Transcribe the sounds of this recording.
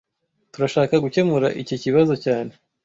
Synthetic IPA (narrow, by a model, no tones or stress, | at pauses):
tuɾaʃaːkaɡuce̞muɾa̰ʔiciciβazo̞caːne̞